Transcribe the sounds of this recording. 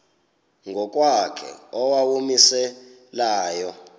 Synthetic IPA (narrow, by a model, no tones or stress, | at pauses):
ŋɡʱɔk̬ʼwakʰɛ̰ɔwawumisɛ | laːjɔ